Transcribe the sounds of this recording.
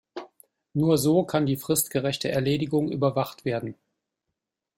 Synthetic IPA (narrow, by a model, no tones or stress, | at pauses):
nuːɐzoːkʰandiːfʁ̥ɪstɡ̥əʁɛçtəʔɛɐleːdɪɡʊŋʔy̰ːbɐvaχtv̥eːɐdn̩